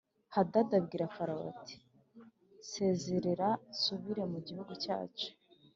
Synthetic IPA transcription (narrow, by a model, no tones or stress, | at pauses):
hadadabɡiːɾafaɾawa̰ti̥ | se̞ːzeɾeɾasuβiɾe̞muɟihuɡuca̰ːt͡ʃo̥